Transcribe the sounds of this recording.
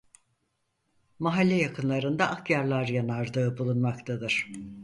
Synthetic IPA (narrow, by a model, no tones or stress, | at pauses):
maɦalʲːɛjakʰɯnlˠaɾɯnd̪aʔːkjaɾlˠaɾjanaɾd̪ɯːbulˠunmakt̪ʰad̪ɯɾ̥